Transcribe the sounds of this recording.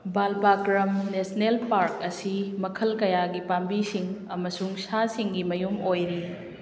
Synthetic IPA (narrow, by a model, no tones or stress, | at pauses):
balpakɾɐmnesnelpaɾkɐsimɐkʰɐlkɐjaɡipambisiŋɐmɐsuŋsasiŋɡimɐjumojɾi